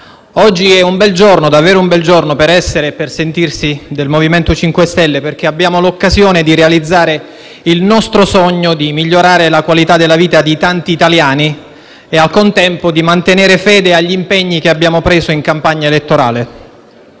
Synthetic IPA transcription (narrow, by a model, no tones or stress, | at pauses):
ɔd͡ʒːiɛumbɛld͡ʒornod̪avːɛːɾoumbɛld͡ʒornopeɾɛsːeɾepersent̪irsid̪elmoviment̪ot͡ʃiŋkwest̪ɛlːeperk̟eabːjaːmolokːazjoːned̪iɾealid̪zːaːɾe | ilnɔst̪ɾosɔɲːod̪imiʎːoɾaːɾelakwalit̪ad̪elːaviːt̪ad̪it̪ant̪iːt̪aljaːni | ealkont̪ɛmpod̪imant̪eneːɾefɛːd̪eaʎːimpɛɲːik̟eabːjaːmopɾeːzoiŋkampaɲːaelet̪ːoɾa̰ːle